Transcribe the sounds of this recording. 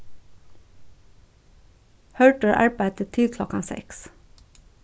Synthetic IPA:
hœɹʈəɹʔæ̰ɹbæɪt̪ət̪ʰɪlkʰlɔkɑnsɛ̰ks

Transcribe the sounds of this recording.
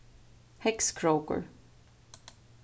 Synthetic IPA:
hɛkskʰɹokə̰ɹ

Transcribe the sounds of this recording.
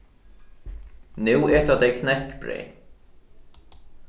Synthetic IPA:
nʉwɛːt̪at̪ejkʰnɛhkpɾḛːn

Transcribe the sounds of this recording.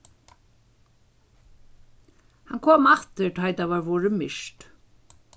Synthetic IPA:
hankʰoːmaft̪ɪɹt̪ʰajt̪avaɹvɔːɹɪmɪʃt̪

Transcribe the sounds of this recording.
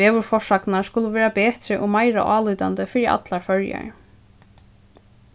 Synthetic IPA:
ɛːʋʏɾfɔʂaknaɹskʊləʋɛːɾapɛːt̪ɾɪʔɔmajɾa̰ʔaːluːt̪ant̪ɪfɪɾiʔa̰t̪laɹfœɹja̰

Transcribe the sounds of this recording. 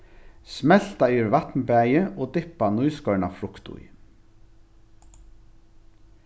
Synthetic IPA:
smɛl̥t̪ɑyːɾʋɑt̪nbæɪəʔoːd̪ɪpanuːskœʉɳɑfɾʊkt̪ṵi

